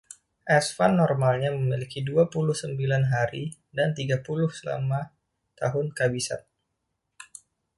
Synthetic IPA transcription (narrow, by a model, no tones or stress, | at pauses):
ʔɛsfanːɔrmalɲaməmilikiduapulʊhsəmbilanɦaɾi | dant̪iɡapulʊhsəla̰ma | t̪a̰ɦʊnkabisa̰t̪̚